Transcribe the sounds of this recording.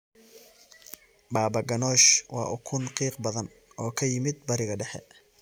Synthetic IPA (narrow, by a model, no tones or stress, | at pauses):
baːbɐɡɐnɔːʃwɑ̰ːʔʊkʰʊnqiːqbɐðɐn | ɔːkʰɐjɪmɪd̪̚bɐɾɪɣɐɖɛħɛ̰